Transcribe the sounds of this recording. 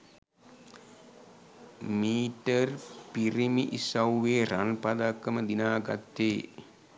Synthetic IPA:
miːʈərpiɾimiʔisawʋeːɾanpad̪akːəməd̪inaːɡa̰t̪ːeː

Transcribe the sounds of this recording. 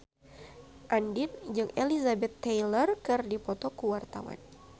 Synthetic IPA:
ʔandind͡ʒɨŋelizabɛt̪ːejlərkɨrdipɔt̪ɔkuwart̪a̰wa̰n

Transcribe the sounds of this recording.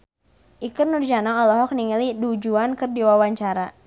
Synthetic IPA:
ʔikɨrnurd͡ʒanaŋɔlɔɦɔk̚niŋəlidud͡ʒuankɨrdiwawaɲt͡ʃaɾa

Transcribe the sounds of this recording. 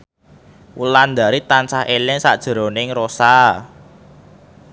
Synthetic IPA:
wuland̪a̤ɾit̪ansahelɪŋsa̰ʔd̥ʒ̥ə̤ɾo̤nɪŋrosa

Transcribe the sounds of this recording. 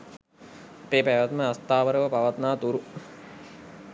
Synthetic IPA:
peːpæʋat̪məast̪aːʋəɾəʋəpaʋat̪naːt̪uɾu

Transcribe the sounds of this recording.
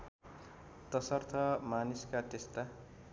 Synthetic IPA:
t̪ʌsʌrt̪ʰʌmaniskat̪est̪a

